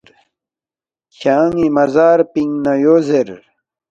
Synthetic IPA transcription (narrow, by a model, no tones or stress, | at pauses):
ɾ | ɕaːŋimɐzaːɾpiŋnajozeɾ